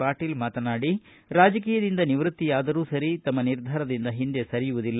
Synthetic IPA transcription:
aːʈiːlmaːt̪ɐnaːɽi | ɾaːd͡ʒɐk̬iːjɐd̪ind̪ɐniʋɾut̪ːijaːd̪ɐɾuːsɐɾit̪ɐmːɐniɾd̪ʱaːɾɐd̪ind̪ɐɦind̪esɐɾijuʋud̪ilː

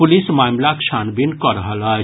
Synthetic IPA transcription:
pʊlismaːmlakʃʰaːnbinkɔɾəɦəla

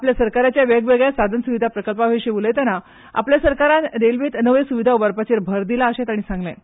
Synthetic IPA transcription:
apljasəɾkaɾjat͡ɕjaʋeɡʋeɡjasad̪ʱənsuʋid̪ʱapɾəkəlpaɦeɕeulet̪ana | a̰pljasəɾkaɾanɾelʋiːt̪nəʋesuʋid̪ʱaoʋəɾpət͡ɕeɾbʱəɾd̪ilaəɕet̪aɽ̃isãŋɡlɛ̰̃

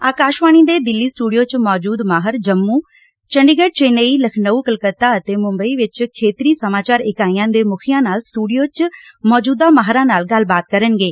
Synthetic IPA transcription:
aːkaːʃʋaːɽ̃iːd̪eːd̪ɪlːiːsʈuːɖijoːt͡ʃmɔːd͡ʒuːd̪maːɦəɾd͡ʒəmːuː | t͡ʃəɳɖɪɡəɖ̚t͡ʃeːneːiːləkʰnəuːkəlkət̪aːət̪eːmʊmbəiːʋɪt͡ʃkʰeːt̪ɾiːsəmaːt͡ʃaːɾɪkaːijãːd̪eːmʊkʰijãːnaːlsʈuːɖijoːt͡ʃmɔːd͡ʒuːd̪aːmaːɦɾãːnaːlɡəlbaːt̪̚kəɾənɡeː

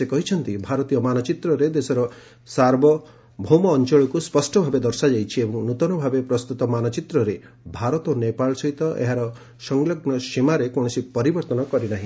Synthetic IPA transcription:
sekɔɦit͡ʃʰɔnt̪ibʱaɾɔt̪ijɔmanɔt͡ʃit̪ɾɔɾed̪esɔɾɔ | saɾbʱɔ | bʱomɔːnt͡ʃɔɭɔkuspɔsʈɔbʱabed̪ɔɾsad͡ʒajt͡ʃʰiebɔŋnut̪ɔnɔbʱabepɾɔst̪ut̪ɔmanɔt͡ʃit̪ɾɔɾe | bʱaɾɔt̪ɔnepaɭɔsɔɦit̪ɔʔḛɦaɾɔ | sɔŋlɔɡnɔʃimaɾekoɽ̃ɔsipɔɾibɔɾt̪ɔnɔkɔɾinaɦĩ

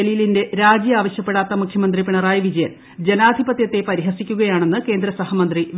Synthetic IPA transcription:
eliːlinde̞ɾaːd͡ʑjɐaːʋɐɕjɐpːe̞ɽaːt̪ːɐmukʰjɐmɐnd̪ripiɳɐraːjɐʋid͡ʑɐjɐl | d͡ʑe̞naːd̪ʱibɐt̪jɐt̪ːe̞pɐɾiɦɐsikʲːuɣɐjaːɳe̞nːɨke̞ːnd̪ɾɐsɐhɐmɐnd̪riʋ

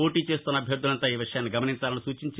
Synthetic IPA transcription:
o̞ːʈiːt͡ʃe̞ːst̪unɐbʱjɐɾd̪ʱːulɐnt̪aːiːʋiʂɐjaːnːiɡɐmɐnint͡ʃaːlɐnisuːt͡ʃiɲt͡ʃ

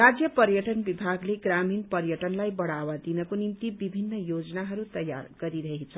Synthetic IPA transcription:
rad͡zjʌpʌɾjʌʈʌnbibʱaɡleɡraminpʌrjʌʈʌnlajbʌɽawad̪inʌkonimt̪ibibʱinːʌjod͡zʌnaɦʌɾut̪ʌja̰rɡʌɾiɾʌɦit͡sʰʌ

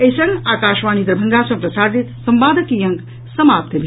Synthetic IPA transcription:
ɐsɐŋaːkaːʃʋaːnid̪ɾɐbʱɐŋɡaːsɐ̃mpɾɐsaːɾd̪it̪sɐmbaːd̪ɐkijɐŋɡ | sɐmaːp̚t̪ʰɐbʱi

